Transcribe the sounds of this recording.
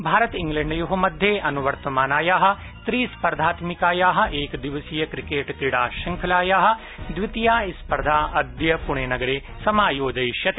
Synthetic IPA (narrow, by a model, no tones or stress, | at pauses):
bʱaːɾɐt̪ĩŋɡlɛ̃ɳɖjuɦɐmɐd̪ʱjeːʔɐnuʋɐɾt̪ɐmaːnaːjaːɦɐ̆ | t̪ɾiːspɐɾd̪ʱaːt̪mikaːjaːɦɐ̆ʔeːkd̪iʋɐsijɐkɾikeːʈt̪iɽaːʃɐŋkʰɐlaːjaːɦɐ̆ | d̪ʋit̪ijaːispɐɾd̪ʱaːʔɐd̪jɐpuɳ̃eːnɐɡɐɾeː | sɐmaːjoːd͡ʒɐjʃjɐt̪e